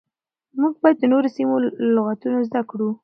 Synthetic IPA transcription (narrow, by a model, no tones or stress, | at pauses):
muɡ̚bɑjad̪̚d̪ənoɾosimolʊɣat̪unozd̪akɽu